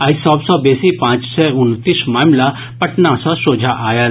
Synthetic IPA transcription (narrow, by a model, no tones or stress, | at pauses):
aisɔːbsɔbeːsipãːt͡ʃsɛʊnt̪ismaːmla | pɐʈnãsɔ̃soːd͡ʒʱaʔaːja